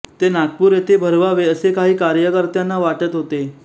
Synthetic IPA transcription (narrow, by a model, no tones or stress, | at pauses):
t̪enak̚puːɾjet̪ʰebʱəɾʋaʋeəsekaɦiːkaɾjəkəɾt̪janːaʋaʈət̪ɦot̪e